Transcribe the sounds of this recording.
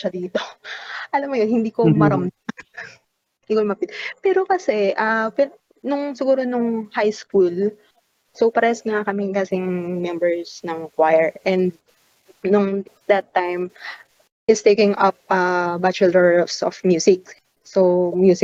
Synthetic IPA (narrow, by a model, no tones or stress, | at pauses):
ʃɐd̪iːt̪oʔɐlɐmːojonhɪnd̪iːkomɐɾɐmd̪ɐ | ʔiwɐlmɐpɪt̪pɛːɾokɐsɛʔɐpɛ | nʊŋsɪɡuːɾonʊŋhajskul | sowpɐɾɛsŋakɐmɪŋkasɪŋmɛmbɛɹsnɐŋkwajɛɹʔɛ̃nd̪̚ | nʊŋd̪ɐt̪ːajm | ʔɪst̪ejkɪ̃ŋɐp̚ʔɐbat͡ʃɛlɛfsɔ̰fmjuːsɪk̚ | somjuːsɪ